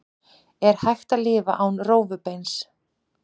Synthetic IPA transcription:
ɛɾ̥hajxt̪alɪːva̰ʔaːwnroːwvʏpejns

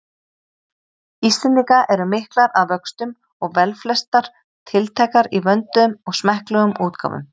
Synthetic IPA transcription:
ist̪ɪniŋkaʔɛɾʏmɪhklaɾaðvœkst̪ʏm | ɔɣvɛlflɛst̪aɾ̥ | t̪ʰɪlt̪ʰɛːkaɾivœnt̪mɔɣsmɛhklœɣʏmuːt̪kʰa̰wvʏ̰m

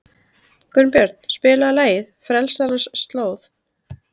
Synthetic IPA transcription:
kʏnpjœɾt̪̚n̥spɪːlaːlaːjɪðfɾɛlsalasːt̪loːwθ

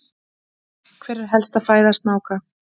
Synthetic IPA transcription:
kʰvɛːɾɪɾ̥ɦɛlst̪aðfaːjðast̪naːwka

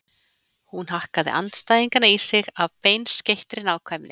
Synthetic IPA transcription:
hunhahkaðɪ̰ʔa̰nt̪st̪ajðiŋkanaisɪɣavpejnscejht̪ɾɪnaːwkʰvajmnɪ̰

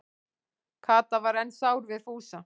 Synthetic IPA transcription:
kʰaːt̪avaɾɛnsaːwɾvɪð̥fuːsa

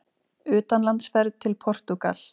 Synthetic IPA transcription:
ʏːt̪anlant̪sfɛɾðt̪ʰɪlpʰɔr̥t̪uka̰l̥

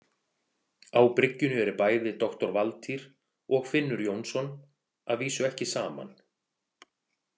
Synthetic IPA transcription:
awpɾɪcːʏnʏɛɾʏpaːjðɪt̪ɔxt̪ɔɾvalt̪ʰiɾ̥ | ɔɣfɪnːʏɾjownsɔn | aðviːsʏɛhcɪsaːma̰n

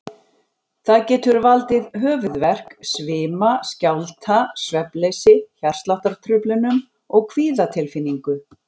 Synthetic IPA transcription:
θaðcɛːt̪ʏɾvalt̪ɪðɦœːvʏðvɛr̥ksvɪːmascawlt̪ʰasvɛplejsɪçar̥st̪laht̪aɾ̥t̪ʰɾʏplʏnʏm | ɔɣkʰviːðat̪ʰɪlfinːiŋkʏ

